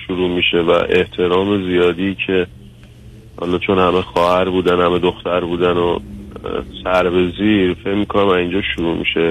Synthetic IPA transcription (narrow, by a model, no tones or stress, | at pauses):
ʃuɾuːmiːʃe̞væ̰ʔe̞ht̪ʰe̞ɾɒːme̞zijɒːd̪icʰe | hɒ̰ːlɒt͡ʃʰo̞nhæmexɒːhæɾbuːd̪ænhæmed̪oxt̪æɾbuːd̪æno | sæɾbe̞ziːɾfe̞cmiːkʰo̞næmæzind͡ʒɒːʃuɾuːmḭʃe̞